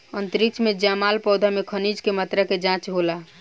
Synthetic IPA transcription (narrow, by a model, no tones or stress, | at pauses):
ənt̪ɾik̚t͡ʃʰmed͡ʒamalpɔd̪ʱamekʰənid͡ʒkemət̪ɾəked͡ʒãt͡ʃɦola